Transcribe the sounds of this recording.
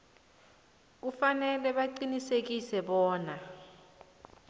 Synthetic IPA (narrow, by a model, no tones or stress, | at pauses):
k̬ufanɛlɛɓaǃinisek̬isɛɓɔːna